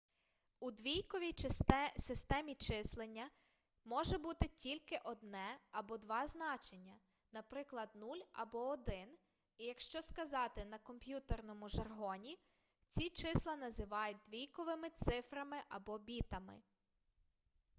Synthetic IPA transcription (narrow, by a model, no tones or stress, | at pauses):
ud̪ʋʲijkɔʋʲijsɪst̪ɛmʲit͡ʃɪslˠenʲːɐ | mɔʒɛbut̪ɪtʲilʲkɪʔɔd̪nɛɐbɔd̪ʋɑznɑt͡ʃenʲːɐ | nɐpɾɪklˠɐd̪nulʲɐ̰bɔɔd̪ɪn | ijɐkʃt͡ʃɔskɐzɑt̪ɪnɐkɔmpʲjut̪ernɔmʊʒɐrɦɔnʲi | t͡sʲit͡ʃɪslˠɐnɐzɪʋɑjʊt̚ʲd̪ʋʲijkɔʋɪmɪt̪sɪfɾɐmɪʔɐbɔbʲit̪ɐmɪ̰